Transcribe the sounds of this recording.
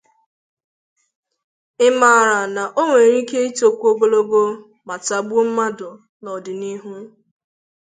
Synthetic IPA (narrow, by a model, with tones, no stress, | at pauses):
ɪ˦ma˨ɾa˨na˨ʔo˦ŋʷe˨ɾi˦ke˦i˦to˦kʷo˦bo˦lo˦ɡo˦ | ma˨ta˨ɡ͡bu˦m̩˦ma˦dʊ˨ | nɔ˨dɪ˨ni˦ɦu˦